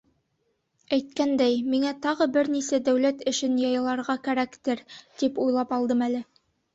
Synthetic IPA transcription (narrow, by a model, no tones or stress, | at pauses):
æjt̪̚kænd̪æjmiŋæt̪ɑʁɤbɘɾnisæd̪æwlæt̪ɘ̆ʃɘnjɑjɤ̆lˠɑɾʁɑkæɾækt̪ɘɾt̪ipujlˠɑpɑlˠd̪ɤmælɘ